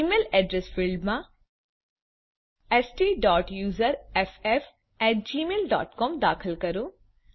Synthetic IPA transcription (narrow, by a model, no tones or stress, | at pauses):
imeːlɛːɖɾesfilɖmã | esʈiːɖɔːʈjuːzəɾefef | ɛːʈ̚d͡ʒiːmeːlɖa̰ːʈkɔːmd̪aːkʰəlkɐɾu